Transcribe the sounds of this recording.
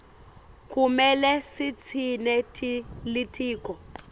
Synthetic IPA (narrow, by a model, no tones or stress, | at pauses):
kʰʼumɛlɛsit͡sʰinɛtʰʼilitʰʼiːkʼɔ